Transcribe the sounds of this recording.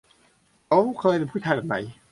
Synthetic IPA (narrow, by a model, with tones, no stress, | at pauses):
ʔo˦˥wkʰɤː˧je˧npʰuː˥˩aː˧˩da˨˩ma̰˨˦j